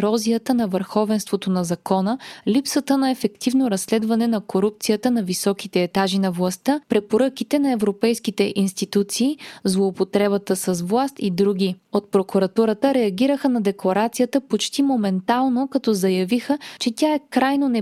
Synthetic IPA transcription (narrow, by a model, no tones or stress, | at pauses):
ɾɔzijət̪ənɐvəɾxɔvɛnst̪vot̪onɐzɐkɔnəlipsət̪ənɐɛfɛkt̪ivnoɾɐsːlɛd̪vɐnɛnɐkoɾup̚t̪sijət̪ənɐvisɔkit̪ɛːt̪aʒinɐvlˠɐst̪əpɾɛpoɾɤkit̪ɛnɐɛvɾopɛjskit̪ɛʔinst̪it̪ut̪siːzlˠoːpot̪ɾɛbət̪əsɐzvlˠast̪id̪ɾuɡʲiot̪̚pɾokuɾɐt̪uɾət̪əɾɛɐɡiɾəxənɐd̪ɛklˠɐɾat̪sijət̪əpot͡ʃt̪imomɛnt̪alˠnokɐt̪ɔzɐjɐvixət͡ʃɛt̪ʲaɛkɾajnonɛ